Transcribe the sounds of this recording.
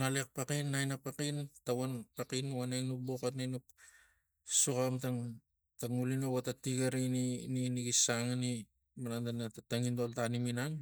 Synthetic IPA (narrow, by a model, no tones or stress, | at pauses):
ŋalek̚pakinːajnapakintawanpakinwanajnuk̚bokatnanup̚ | sukamtaŋ | taŋulinowatatiɡaɾinininiɡisaŋani | manandanatataŋindoltaniminaŋ